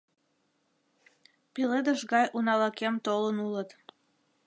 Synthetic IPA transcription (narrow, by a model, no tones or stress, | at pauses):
piled̪əʃɣɑjʔunɑlɑkemt̪olənulət̪